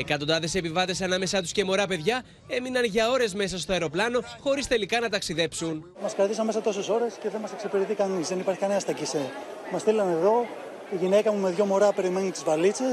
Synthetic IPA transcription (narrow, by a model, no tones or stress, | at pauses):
ekɐt̪ond̪ɐðe̞se̞pivɐt̪e̞sɐnɐme̞sɐt̪u̥sce̞mo̞ɾɐpe̞ðʝɐ | e̞minɐnʝɐo̞ɾe̞zme̞s̬ɐst̪oɐeɾoplɐno̞xo̞ɾist̪e̞likɐnɐt̪ɐksiðe̞psun | mɐskɐɾt̪isɐnme̞sɐt̪o̞se̞so̞ɾe̞sce̞ðenmɐseksepiɾit̪ikɐnizðe̞nipɐɾçi̥kɐneɐst̪ɐcise | mɐst̪ilɐne̞ðo̞ | iʝine̞kɐmume̞ðʝo̞mo̞ɾɐpe̞ɾime̞nit̪izvɐlit͡se̞s